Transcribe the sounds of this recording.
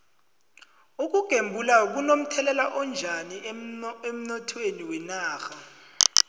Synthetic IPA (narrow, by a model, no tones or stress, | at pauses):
uk̬uɡ̥ʱembʱulak̬unom̩tʰɛlɛlaʔɔnd͡ʒʱaniem̩nɔtʰweniwɛnaːxa